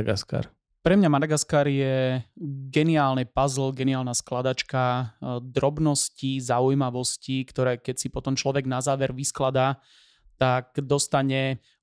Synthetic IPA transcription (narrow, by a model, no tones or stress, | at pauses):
ɡaska̰ɾ | pɾɛmɲamad̪aɡaskaːɾjɛ | ɡɛniaːlnipazl̩ɡɛniaːlnasklad̪at͡ʃkad̪ɾɔbnɔscizaujmaʋɔscikt̪ɔɾɛːkɛcsipɔt̪ɔmt͡ʃlɔʋɛɡnazaːʋɛɾʋisklad̪aː | t̪akd̪ɔst̪aɲɛ